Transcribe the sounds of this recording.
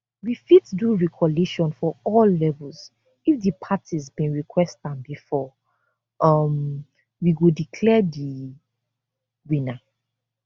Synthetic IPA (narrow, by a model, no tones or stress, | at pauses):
wifidduɹikʰɔliʃɔ̃nfɔɔlːɛvəlz | ifðəpʰatʰizbĩnɹikʰwɛstãnbifɔ | ʌm | wiɡodikʰlɛdi | wĩna